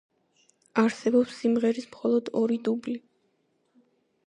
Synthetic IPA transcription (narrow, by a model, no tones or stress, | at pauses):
aɾsɛbɔpsːimʁɛɾismχɔlˠɔd̪ɔɾid̪ubli